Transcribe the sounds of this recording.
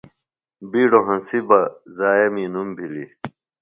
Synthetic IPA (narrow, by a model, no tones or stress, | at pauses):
biːɖoɦɐ̃nsibɐzaːjɐminumbʱilḭ